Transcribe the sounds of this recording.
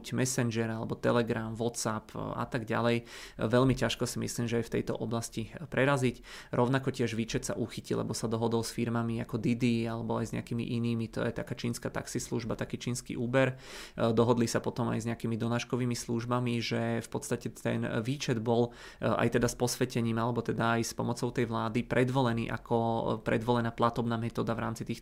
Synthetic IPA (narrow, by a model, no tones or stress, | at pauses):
cmɛsɛnʒɛɾalɛbɔt̪ɛlɛɡɾamʋɔt̪sapʰa̰t̪aɡɟa̰lɛjʋɛʎmicaʃkɔsimḭsliːmʒɛajft̪ɛ̰jt̪ɔ̰ʔɔblascipɾɛɾazicɾʔɔʊnakɔcɪɛʒʋiːt͡ʃɛt̪sa̰ʔuxicilɛ̰bɔsad̪ɔɦɔd̪ɔlsfiɾmamiakɔd̪id̪ialɛbɔajzɲɛ̰akiːmḭʔiniːmit̪ɔ̰jɛt̪akaːt͡ʃiːnskaːt̪a̰ksislṵʒbat̪akiːt͡ʃiːnskḭʔuːbɛɾ | d̪ɔɦɔd̪lisapɔt̪ɔma̰jzɲɛakiːmid̪ɔnaːʃkɔʋiːmisluʒbamiʒɛfpɔt̪st̪acɛt̪ɛ̰nʋiːt͡ʃɛd̪bɔl | a̰jt̪ɛd̪aspɔsʋɛcɛɲiːmalɛbɔt̪ɛd̪aːjspɔmɔt͡sɔʊt̪ɛjʋlaːd̪ipɾɛd̪ʋɔlɛnḭːʔa̰kʰɔpɾɛ̰d̪ʋɔlɛnaːplat̪ɔbnaːmɛt̪ɔːd̪aʋɾa̰ːmt͡sit̪iːx